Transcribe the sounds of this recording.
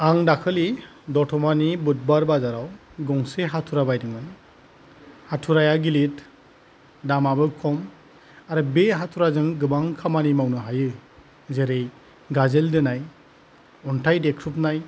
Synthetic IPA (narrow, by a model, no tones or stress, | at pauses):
aŋdakʰɯlidɔtʰɔmanibut̚baɾbazaɾawɡɔŋseɦatʰuɾabajdɯŋmaj | hatʰuɾajaɡilit | damabɯkʰɔm | aɾɯbeɦatʰuɾazɯŋɡɯbaŋkʰamanimawnɯɦajɯ | zeɾej | ɡazeldɯnaj | ɔntʰajdekʰɾup̚naj